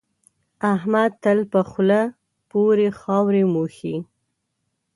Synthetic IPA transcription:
ahmad̪̚t̪əlpəxla | poɾexɑwɾemuxi

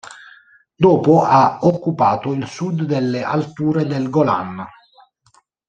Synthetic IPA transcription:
d̪ɔːpoʔaokːupaːt̪oilsud̪ːelːeʔa̰lt̪uːɾed̪elɡola̰n

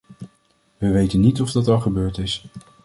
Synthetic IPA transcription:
ʋəʋejtənːitɔvdɑtɑlˠχəbøːɹtɪs

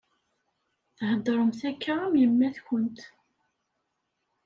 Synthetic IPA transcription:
θhəd̪ˤɾˤəmθækːaæmjəmːæθçənt̪

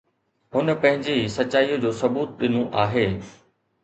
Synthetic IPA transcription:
ɦʊnə̆pɐ̃ɦɪ̃ɲd͡ʑesɐt͡ɕaːiːod͡ʑoːsɐbuːt̪̚ɗɪnõʔaːɦeː

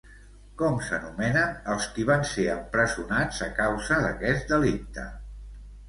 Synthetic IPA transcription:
kɔmsənumɛnənəlˠskiβanseəmpɾəzunad͡zəkawzəðəkɛd͡zd̪əlik̚t̪ə̰

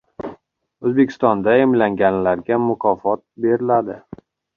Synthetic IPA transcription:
ɵzbe̞kʲʰɪ̥st̪ɒnd̪aemlaŋɡʲanlaɾɡʲamʊkʰɒfɒt̪̚be̞ɾɪlad̪ɪ

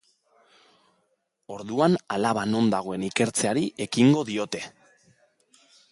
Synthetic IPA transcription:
o̞ɾðuanalaβ̞ano̞nd̪aɣ̞o̞e̞nike̞ɾt͡se̞aɾiʔe̞kiŋɡo̞ðio̞t̪e̞

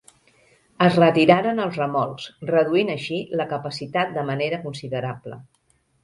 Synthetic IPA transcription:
əzrət̪iɾaɾənəlˠzrəmɔlˠsrəðuinəʃiləkəpəsit̪at̪̚d̪əməneɾəkunsiðəɾablə̰

